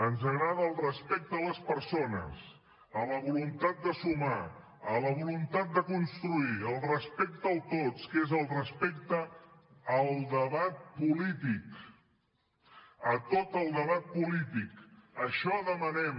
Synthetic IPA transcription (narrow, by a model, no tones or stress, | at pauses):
ənzəɣɾað̞əːlˠrəspɛk̚t̪ələspəɾsonə̰s | ələβulunt̪at̪̚d̪əsuma | ələβ̞ulunt̪at̪̚d̪əkunst̪ɾuiəlˠrəspɛk̚t̪əəlˠt̪ott͡skezəlˠrəspek̚t̪əː | lˠd̪əβat̪̚pulit̪ik | ət̪ot̪əlˠd̪əβat̪̚pulit̪ikəʃɔðəmənɛm